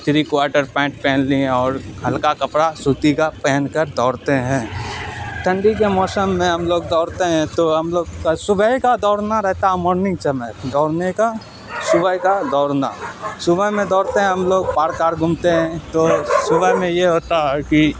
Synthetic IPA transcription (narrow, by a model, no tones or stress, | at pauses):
t̪ʰɾikwaːɾʈəɾpɛ̃ːʈ̚pɛːnliẽɔːɾɦɐlkakɐpɽasuːt̪ikapɛːnkəɾd̪ɔːɽt̪eɦɛ̃ː | ʈ̪ʰə̃ɳɖikemɔːsəmːẽɦɐmloːɡ̚d̪ɔːɾt̪eɦɛ̃t̪oɦɐmloːɡkasʊbʱəkad̪ɔːɾnaɾɛɦt̪aɦɛmɔːɾnɪ̃ŋɡt͡ʃəməd̪ɔːɾneka | sʊbəɦkad̪ɔːɾna̰sʊbəmẽd̪ɔːɽt̪eɦɛ̃ɦɐmloːɡ̚paːɾkaːɾɡʱʊmt̪eɦɛ̃t̪osʊbəɦmẽjeɦoːt̪aɦɛki